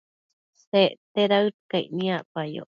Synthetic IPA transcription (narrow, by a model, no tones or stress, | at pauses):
seʔt̪eɾaɨt̪kaiʔnĩapajo̰